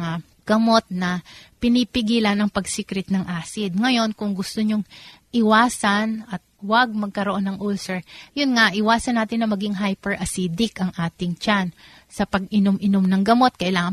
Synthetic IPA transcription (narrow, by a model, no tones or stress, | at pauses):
ŋa | ɡ̥ɐmo̞t̪̚nɐpɪnipɪɡiːlɐnɐŋpɐɡsiːkɾɛt̪̚nɐŋʔaːsɪd̪̚ŋɐjo̞nkʊŋɡʊst̪oɲoŋʔɪwaːsɐnɐt̪̚wɐɡ̚mɐɡ̚kɐɾoʔo̞nːɐŋʔulsɛɹjʊnŋaʔɪwaːsɐnːaːt̪ɪnːɐmɐɡiŋɦajpɛɹʔɐsid̪ɪkɐŋʔaːt̪ɪŋt͡ʃan | sɐpɐɡʔɪnomʔɪnomnɐŋɡɐmo̞t̪̚kɐʔɪlaːŋɐn